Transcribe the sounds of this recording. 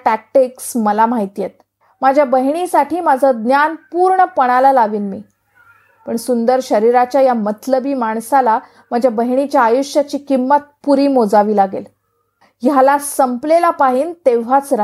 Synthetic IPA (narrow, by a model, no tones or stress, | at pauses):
ʈæk̚ʈiksməlamaɦit̪ijet̪̚ | mad͡ʑʱjabəɦɳ̃isaʈʰiːmad͡zʱəd̪njanpuːɾɳəpəɽ̃alalaʋiːnmiː | pəɳsund̪əɾɕəɾiɾat͡ɕjajamət̪ʰləbiːmaɳsala | məd͡ʑʱjabəɦɳ̃it͡ɕjaːjuɕjat͡ɕiːkimːət̪̚puɾiːmod͡zaʋiːlaɡel | jalasəmplelapaɦiːnt̪eʋ̤at͡sɾa